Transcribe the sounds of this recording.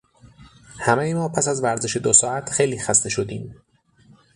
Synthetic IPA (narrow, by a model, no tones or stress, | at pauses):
hæmejemɒːpʰæsæzvæɾzeʃe̞d̪osɒːæt̪ʰxe̞jliːxæst̪e̞ʃo̞d̪iːm